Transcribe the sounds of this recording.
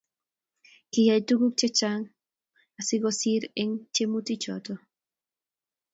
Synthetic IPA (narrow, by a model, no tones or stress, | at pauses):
kijajt̪ukuk̚t͡ʃet͡ʃaŋ | asiɡosiɾeŋt͡ʃemut̪it͡ʃot̪o